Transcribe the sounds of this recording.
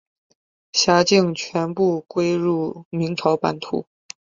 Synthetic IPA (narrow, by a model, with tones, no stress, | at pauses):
ɕja˧˥t͡ɕi˥˩ŋt͡ɕʰɥɛ˧˥npu˥˩kwe˥ɪɻu˥˩mi˧˥ŋʈ͡ʂʰɑ˧˥ʊpa̰˧˥nt̪ʰṵ˧˥